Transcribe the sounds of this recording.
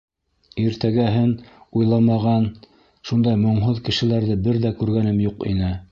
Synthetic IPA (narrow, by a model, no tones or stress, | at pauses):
iɾt̪æɡæɦɘnujlˠɑmɑʁɑn | ʃund̪ɑjmŏɴɦoðkɘ̆ʃɘ̆læɾðɘbɘɾðækʉɾɡænɘmjuqḭnɘ